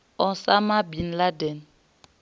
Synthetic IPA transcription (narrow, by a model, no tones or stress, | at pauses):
ɔsamabinladɛn